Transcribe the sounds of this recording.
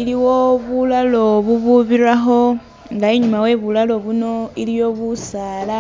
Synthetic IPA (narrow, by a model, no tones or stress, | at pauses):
iliwo̞βulalo̞βuβuβiraxo̞ | ŋɡaiɲumawe̞βulalo̞βuno̞ilijo̞βusaːla